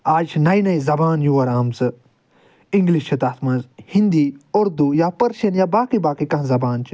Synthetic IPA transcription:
aːd͡ʒt͡ʃʰinɐinɐizɐbaːnjuːɐɾaːmsɨ | iŋɡlit͡ʃʰit̪aːt̪ʰmɐnzhĩnd̪iːoɾd̪ujaːpɐɾʃɐnjaːbaːkibaːkikɐ̃ɦãzɐbaːnt͡ʃʰi

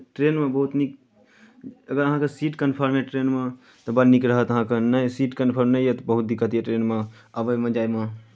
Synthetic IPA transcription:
ʈɾenmebəɦut̪nik | əɡəɾəɦãkesiʈkənpʰəɾmeʈɾenme | t̪ɔbənikɾəɦət̪əɦãkenəjsiʈkənpʰəɾmnəjjet̪ɔbəɦut̪̚d̪ikːət̪ijeʈɾenme | əbəjmẽd͡ʒajme

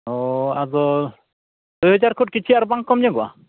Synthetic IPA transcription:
ɔazɔ | d̪̥ujɦɔd͡ʒaɾkʰuʈ̚kit͡ʃʰiaɾbaŋkɔmɲɛɡɔa̰

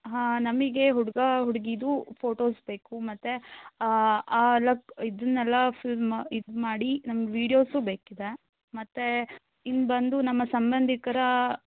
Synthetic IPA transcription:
ɦaːnɐmiɡe̞ɦuɽɡɐɦuɽɡid̪upʰoːʈoːsbeːkumɐt̪ːe | aːlɐkid̪ɐnːɛlːɐpʰilid̪maːɽinɐmɐɡʋiːɽijo̞ːsubeːkid̪e̞ | mɐt̪ːe | inbɐnd̪unɐmːɐsɐmbɐnd̪ʱikɐɾɐ

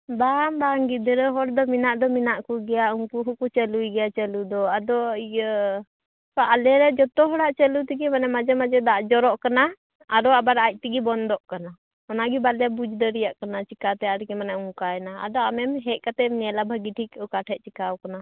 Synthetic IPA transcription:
bambaŋɡid̪ɛɾɛɦɔɽd̪ɔminaʔd̪ɔminaʔkuɡɛjauŋkuɦukut͡ʃəlujɡɛjat͡ʃəlud̪ɔad̪ɔ | aʔalɛɾɛd͡ʒɔt̪ɔɦɔɽaʔt͡ʃəlut̪iɡimanɛmad͡ʒɛmad͡ʒɛd̪aʔd͡ʒɔɾɔʔkana | aɾɔabaɾac̚ˀt̪iɡibɔnd̪ɔʔkana | ɔnaɡibalɛbud͡ʒd̪əɾijaʔkanat͡ʃikat̪ɛaɾikɛmanauŋkaɛnaa̰d̪ɔamɛmɦɛʔ̚kat̪ɛmnɛlabʱaɡiʈʰikɔkaʈʰɛt̪̚t͡ʃikawkana

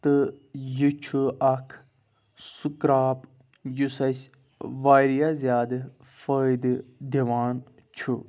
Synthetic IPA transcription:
t̪ɨjɨt͡ʃʰuɐkʰ | sukɾaːp | jusɐsʲ | ʋaːɾijazjaːd̪ɨ | fəjd̪ɨd̪iʋaːn | t͡ʃʰu

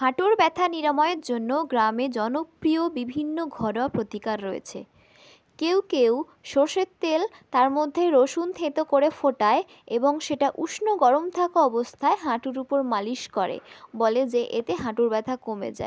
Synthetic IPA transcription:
haʈuɾbɛt̪ʰaniɾamɔeeɾd͡ʑonːoɡɾamed͡ʑɔnopɾiobibʱinːoɡʱɔɾɔpɾot̪ikaɾːoḛt͡ɕʰḛ | kewkew | ʃoɾʃet̪ːelt̪aɾmod̪ʱːeɾoʃunt̪ʰẽt̪okoɾefoʈae | eboŋʃeʈaʔuʃnoɡɔɾomt̪ʰakaɔbost̪ʰaeɦaʈuɾupoɾmaliʃkɔɾḛboled͡ʑeʔet̪eɦãʈuɾbɛt̪ʰakomḛd͡ʑa̰e

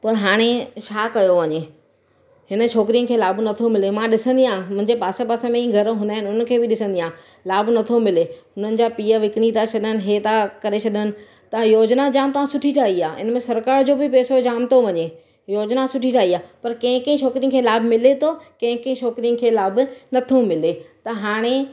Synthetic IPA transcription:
pɐɾɦaːɽ̃et͡ɕʰaːkɐjoʋɐɲe | ɦɪnə̆t͡ʃʰoːkɾijə̃nkʰeːlaːbnɐt̪ʰomɪlemãɗɪsə̃nd̪iãːmʊ̃ɦɪ̃ɲd͡ʑepaːsepaːsemẽĩːɡʱɐɾɦũnd̪aːɦɪnʊn̆kʰeːbɪɗɪsə̃nd̪ijãː | laːbnɐt̪ʰomɪleɦʊnənɪ̆d͡ʑaːpiːəʋɪkɪɽ̃it̪at͡ɕʰɐɗənɪ̆ɦeːt̪akɐɾesʰɐɗənɪ̆ | t̪ɐjoːd͡ʑnad͡ʑaːmt̪ɐʋãsʊʈʰiʈʰaːɦiaːɪ̰nmẽsɐɾkaːɾd͡ʑoːbɪpeːsod͡ʑaːmt̪oʋɐɲe | joːd͡ʑnasʊʈʰiʈʰaːiaːpɐɾkɐ̃ɦɪ̃kɐ̃ĩʃʰoːkɾijə̃kʰeːlaːbʱmɪlet̪ʰokɐ̃ɦɪ̃kɐ̃ɦĩʃʰoːkɾijə̃kʰeːlaːbʊnɐt̪ʰomɪlet̪ɐɦaːɽ̃e

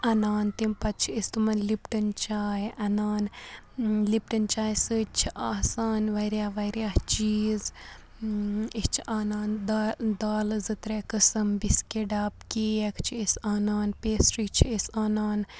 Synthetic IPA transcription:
ɐnaːnt̪impɐt̪̚t͡ʃʰiist̪umɐnlipʈɨnt͡ʃaːjʔɐnaːn | lipʈɨnt͡ʃaːjsɨt͡ʃʰiʔaːsaːnʋɐiɾjaːʋɐɾʲjaːht͡ʃiːz | ist͡ʃʰiʔaːnaːnd̪d̪aːlzɨt̪ɾekɨsɐmbiskeɖaːp̚keːjekʰt͡ʃʰiisaːnaːnpeːsɾit͡ʃʰiisaːnaːn

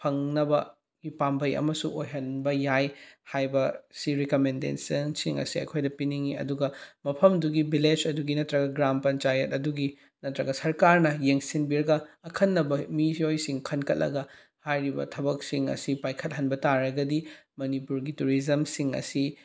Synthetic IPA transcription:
pʰɐŋnɐbɐ | ɡ̥ipambɐjɐ̰mɐsuŋojɦɐnbɐjajhajbɐsiɾekomendḛnsɐnsiŋɐ̰siɐ̰jkʰojdɐpiniŋiɐ̰duɡɐmɐpʰɐmduɡibilet͡ʃɐduɡinɐtɾɐɡɐɡɾampɐnt͡ʃajɐtɐduɡi | nɐtɾɐɡɐsɐɾkaɾnɐjeŋsinbiɾɐɡɐːkʰɐnːɐbɐmijojsiŋkʰɐnkʰɐt̚lɐ̰ɡɐ | hajɾibɐ̰tʰɐbɐk̚siŋɐ̰sipajkʰɐt̚ɦɐnbɐtaɾɐɡɐdimɐnipuɾɡituɾizɐmsiŋɐ̰si

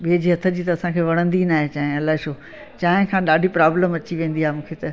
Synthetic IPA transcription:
ɓiːd͡ʑiːɦɐt̪ʰəd͡ʑiːt̪ɐɐsãkʰeːʋɐɽ̃ə̃nd̪inaːɦet͡ɕaːɦẽɐlaːɦeʃoː | t͡ɕaːɦɪ̃kʰãːɗaːɖʱipɾaːbləmɐt͡ɕiʋẽːnd̪iaːɦemũːkʰet̪ɐ

